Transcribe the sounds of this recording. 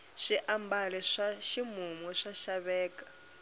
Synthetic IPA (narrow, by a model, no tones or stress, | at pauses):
ʃiʔambalɛʂaʃimumɔʂaʃaβɛːkʼḁ